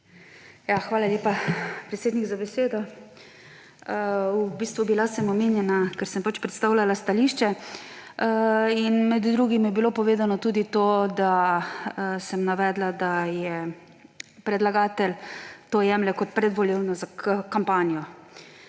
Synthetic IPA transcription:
jaxʋaːlalʲeːpapɾɛt̪seːd̪nikzabɛseːd̪ɔ | ubiːst̪ʋubilasɛmɔmeːnjɛnakɛɾsɛmpat͡ʃpɾɛt̪st̪aːwlʲalast̪aliʃt͡ʃɛ | inmɛd̪d̪ɾuːɡimjɛbilopɔʋeːzanɔt̪uːd̪it̪oːd̪a | sɛmnaʋɛːd̪lad̪ajɛ | pɾɛd̪laɡaːt̪ɛlt̪oːjɛmlɛkɔt̪̚pɾɛd̪ʋɔliːlnɔzakəkampaːnijɔ

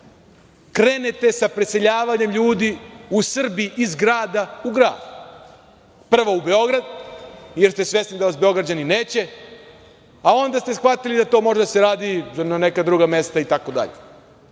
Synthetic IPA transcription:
kɾenet̪e̞sapɾese̞ʎaːʋaɲe̞mʎuːd̪iusr̩biiʔizɡɾaːd̪auɡɾa̰ːd̪u | pr̩ʋoube̞o̞ɡɾad̪jeɾst̪esʋje̞snid̪aazbe̞o̞ɡɾad͡ʑanine̞ːt͡ɕe̞ | ao̞nd̪ast̪esxʋat̪ilid̪at̪o̞ːmo̞ʒed̪aseɾaːd̪inane̞kad̪ɾuɡame̞st̪ait̪ako̞d̪a̰ʎḛ

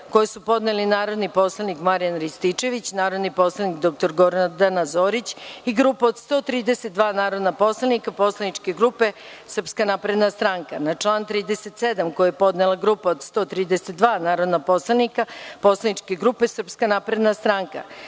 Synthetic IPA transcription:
ko̞jesupo̞d̪nelinaːɾo̞d̪nipo̞slˠanikmaɾijanɾist̪it͡ʃe̞ʋit͡ɕnaːɾod̪nipo̞slˠanikd̪o̞k̚t̪o̞ɾɡo̞ɾnad̪anazo̞ːɾit͡ɕiɡɾupaod̪st̪o̞ːt̪ɾiːd̪eset̪̚d̪ʋaːnaːɾo̞d̪napo̞slˠanikapo̞slˠanit͡ʃke̞ɡɾupe̞ | sr̩pskanapɾe̞d̪nast̪ɾaŋka̰nat͡ʂlˠaːnt̪ɾiːd̪eset̪sed̪amko̞jejepo̞d̪nelˠaɡɾuːpaod̪st̪o̞ːt̪ɾiːd̪eset̪̚d̪ʋaːnaːɾo̞d̪napo̞slˠanikapo̞slˠanit͡ʃke̞ɡɾupesr̩pskanapɾe̞d̪nast̪ɾaŋka̰

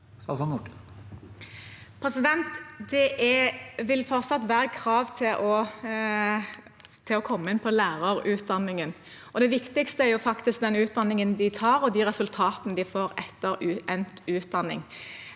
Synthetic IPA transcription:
sɑsɔnʊʈ | pʰɾɛsɪd̪ɛnt̪d̪ɛʔɛʋɪlfɔɾt̪sɑt̪ʋæːɾəkʰɾɑːʋt̪ʰɪlʔɔ | t̪ʰɪlɔkʰɔmːəɪnpʰɔlæːɾəɾʉːt̪̚d̪ɑnːɪŋən | ɔd̪ɛʋɪkt̪ɪkst̪əæɾjʊfɑkt̪ɪsk̚d̪ɛnʉːt̪̚d̪ɑnːɪŋənd̪ɪt̪ʰɑːɾɔd̪iɾɛsʉlt̪ʰɑːt̪nəd̪ɪfoːɾɛt̪ːəɾʉɛnt̪ʉːt̪̚d̪ɑnːɪ̰ŋ

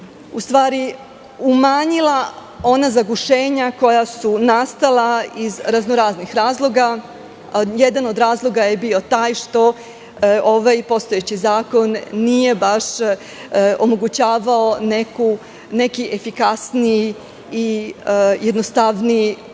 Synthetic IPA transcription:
ust̪ʋaːɾi | umaːɲilˠa | o̞nazaɡuʃe̞ːɲako̞jasunast̪alˠaizɾaznoɾaːznixɾaːzlˠo̞ɡa | jed̪ano̞d̪ɾaːzlˠo̞ɡajebio̞t̪aːjʃt̪o̞ | o̞ʋajpo̞st̪ojet͡ɕizaːko̞nːije̞baʃ | omoɡut͡ɕaːʋaoneku | ne̞kiʔefikasnii | i | jed̪nost̪aʋnii

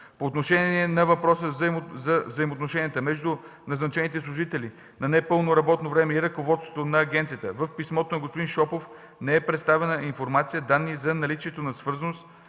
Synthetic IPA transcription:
poːt̪noʃɛniɛnɐvɐpɾɔsəzzɐvzɐimot̪noʃɛnijət̪əmɛʒd̪u | nɐznɐt͡ʃɛnit̪ɛslˠʊʒit̪ɛli | nɐnɛpɤlˠnoɾɐbɔt̪novɾɛmɛiɾɐkovɔt̪st̪vo̥t̪onɐːɡʲɛnt̪sijət̪ə̰vəfpismɔt̪onɐɡospʊd̪inʃɔpof | nɛɛpɾɛt̪st̪avɛnəinfoɾmat̪sijəd̪anːizɐnɐlit͡ʃiɛt̪onɐsvɤɾzənost̪

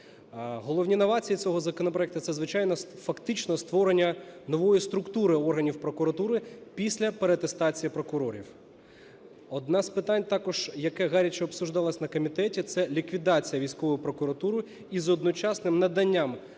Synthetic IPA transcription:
ɦɔlˠɔwnʲinɐʋɑt͡sʲijit͡sʲɔɦɔzɐkɔnɔpɾɔɛk̚t̪ʊt̪sɛzʋɪt͡ʃɑjnɔfɐkt̪ɪt͡ʃnɔst̪ʋɔɾenʲːɐnɔʋɔjist̪ɾʊkt̪uɾɪɔrɦɐnʲiwpɾɔkʊɾɐt̪uɾɪpʲisʲlʲɐpeɾet̪est̪ɑt͡sʲijɐpɾɔkʊɾɔɾʲḭw | ɔd̪nɑzpɪt̪ɑnʲt̪ɑkɔʒ̥jɐkɛɣɑɾʲit͡ʃɛɔpsuʒd̪ɑlˠɐsʲnɐkɔmʲit̪ɛtʲit̪sɛlʲikʋʲid̪ɑt͡sʲijɐʋʲijsʲkɔʋɔjʊpɾɔkʊɾɐt̪uɾʊ | izɔd̪nɔt͡ʃɑsnɪmnɐd̪ɐnʲːam

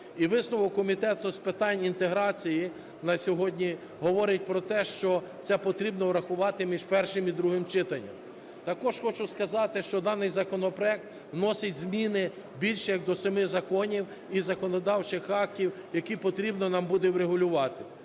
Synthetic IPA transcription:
iʋɪsnʊʋɔwkːɔmʲit̪ɛt̪ʊspɪt̪ɑnʲint̪eɦɾɑt͡sʲiji | nɐsʲɔɦɔdʲnʲi | ɦɔʋɔɾɪt̚ʲpɾɔt̪ɛʃt͡ʃɔ | t̪sɛpɔt̪ɾʲibnɔwɾɐxʊʋɑt̪ɪmʲiʒpɛrʃɪmid̪ɾuɦɪmt͡ʃɪt̪ɐnʲːɐ̰m | t̪ɐkɔʒxɔt͡ʃʊskɐzɑt̪ɪʃt͡ʃɔd̪ɑnɪjzɐkɔnɔpɾɔjɛk̚t̪ | wnɔsɪtʲzmʲinɪ | bʲilʲʃɛjɐɡ̚d̪ɔsɐmɪzɐkɔnʲiw | izɐkɔnɔd̪ɑwt͡ʃɪxɑk̚tʲiwjɐkipɔt̪ɾʲibnɔnɑmbud̪ɛwɾeɦʊlʲʊʋɑt̪ɪ

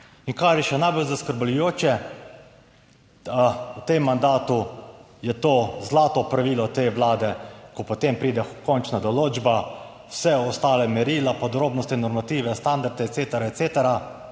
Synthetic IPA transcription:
iŋkaɾjɛʃɛnajbolzaskəɾblujoːt͡ʃɛ | wt̪emːand̪aːt̪u | jɛt̪oːzlaːt̪ɔpɾaʋiːlɔt̪eːʋlaːd̪ɛkɔpɔt̪empɾiːd̪ɛkɔnt͡ʃnad̪ɔloːd͡ʒba | wsɛɔst̪aːlɛmɛɾiːlapɔd̪ɾoːbnɔst̪ɛnɔɾmat̪iːʋɛst̪and̪aɾd̪ɛɛt̪seːt̪ɛɾaet̪seːt̪ɛɾa

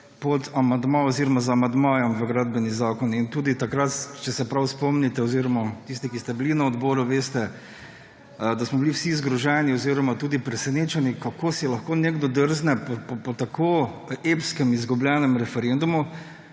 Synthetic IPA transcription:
pɔt̪amand̪maɔziɾɔmazaːmand̪maːjɔmʋəɡɾad̪̚bɛnizaːkɔnint̪uːd̪it̪akɾat̪t͡ʃɛsɛpɾawspɔmnit̪ɛɔziɾɔmat̪ist̪ikist̪ɛbilinaɔd̪bɔːɾuʋeːst̪ɛ | d̪asmɔbiliwsizɡɾɔʒɛniɔziɾɔmat̪uːd̪ipɾɛsɛneːt͡ʃanikakoːsɛlɐxkoːneɡd̪ɔd̪əɾznɛpɔpɔpɔt̪akʰoepskɛmizɡublʲjɛːnɛmɾɛfɛɾend̪umu

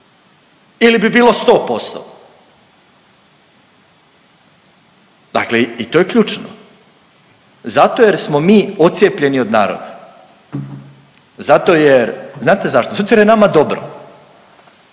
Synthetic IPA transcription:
ilibibiːlo̞st̪o̞ːpo̞st̪o̰ | d̪̥a̰kleit̪oːjekʎuːt͡ʃno̰ | zat̪o̞je̞ɾsmo̞miːot̪sjepʎe̞nio̞d̪na̰ːɾo̰d̪a | zat̪o̞jeɾznaːt̪e̞zaʃt̪ozat̪ojeɾjenamad̪o̞bɾo̰

